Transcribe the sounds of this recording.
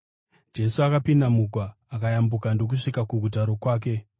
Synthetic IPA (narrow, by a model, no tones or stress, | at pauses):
d͡ʒe̞suakapindamuɡʱwaːkajambukando̞k̬uʂikakuɡʱut̬aɾo̞kwaːk̬e̞